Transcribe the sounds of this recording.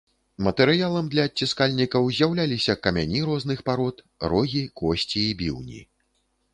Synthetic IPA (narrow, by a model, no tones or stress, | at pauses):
mɐt̪ɛɾɨjalˠɐmd̪lʲɐːt͡sʲiskalʲnʲikɐwzʲjawlʲalʲisʲɐkɐmʲa̰nʲiɾɔznɨxpaɾɔt̪ | ɾɔɣʲikɔsʲt͡sʲiːbʲḭwnʲḭ